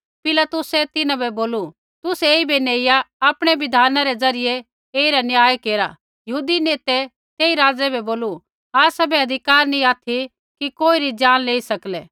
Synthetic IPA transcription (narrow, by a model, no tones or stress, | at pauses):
pɪlat̪ʊsɛt̪ɪnãbʱɛboːlu | t̪ʊseːibeneːɪjaaːpɽ̃ɛʋɪd̪ʱaːnaɾɛd͡zɐɾɪje | eːiɾanɪjaːjkeːɾa | jɐɦuːd̪ineːt̪ɛ | t̪eːiɾaːd͡zɛbʱɛboːlu | aːsɐbɛɐd̪ʱɪkaːɾnĩaːt̪ʰi | kikoːiɾid͡ʒaːnleːisɐklɛː